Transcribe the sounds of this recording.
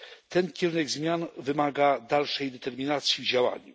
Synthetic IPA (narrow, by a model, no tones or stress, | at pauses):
t̪ɛnkʲɛɾunɛɡzmʲjanvɘmaɡad̪alʂɛjd̪ɛt̪ɛɾmʲinat̪sʲjivd͡ʑawa̰ɲṵ